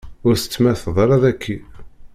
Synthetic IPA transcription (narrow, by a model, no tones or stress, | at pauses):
ʊɾsə̥t͡sːmæθəðˤɑɾˤɑðækʰːi